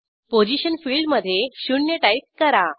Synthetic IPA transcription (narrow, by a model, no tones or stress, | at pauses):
pod͡ʑiɕənfiɭɖməd̪ʱːjeɕuɳjəʈajp̚kəɾa